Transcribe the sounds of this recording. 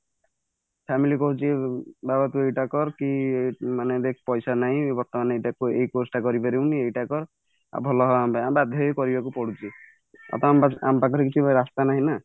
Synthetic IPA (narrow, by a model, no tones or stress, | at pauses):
pʰɛmilikɔɦut͡ʃʰibabat̪uejʈakɔɾkiemaned̪ekʰpɔjsanaɦĩbɔɾt̪ɔmanejʈakuejkosʈakɔɾibaɾiwniejʈakɔɾ | a̰bʱɔlɔɦɔambaabad̪ʱjɔjkɔɾibakupɔɽut͡ʃʰi | ɔ̰t̪ɔma̰mpakɔɾikit͡ʃʰubʱɾast̪anaɦĩna